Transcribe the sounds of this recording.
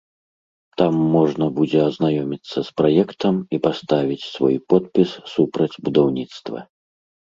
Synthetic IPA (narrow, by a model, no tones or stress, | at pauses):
t̪amːɔʐnɐbud͡zʲɛɐznajɔmʲit̪sːɐspɾajɛkt̪ɐmipast̪avʲit͡sʲsvɔ̰jpɔt̪̚pʲissupɾɐd͡zʲbud̪awnʲit̪st̪vɐ̰